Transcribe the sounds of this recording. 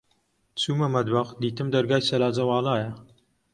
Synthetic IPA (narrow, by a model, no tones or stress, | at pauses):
t͡suːmɐmɐd̪wɐqd̪iːt̪ɨmd̪ɐɾɡaːjsɐlaːd͡zɐwɑːlaːjɐ